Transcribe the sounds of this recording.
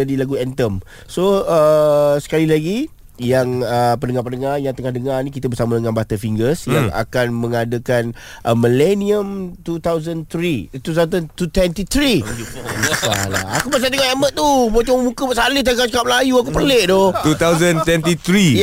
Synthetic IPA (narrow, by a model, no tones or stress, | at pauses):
adilaɡuɛnt̪əm | soəsə̥kalilaɡi | jaŋəpəndəŋarpənəŋarjaŋt̪əŋahdəŋarnikit̪abərsamadəŋãnbat̪əfiŋɡəsjaŋa̰kanmə̃ŋadəkan | ʔəməlɛniəmt̪ut̪awzənt̪ɾit̪ut̪at̪̬ət̪ut̪wɛnt̪it̪ɾi | asa̰la̰akubas̬at̪əŋahemət̪̚t̪ːubot͡ʃɔməmukəbaʔsalɪht̪akat͡ʃəkap̚lajuakupərleʔd̪ɔt̪ut̪awzənt̪wɛnt̪it̪ɾi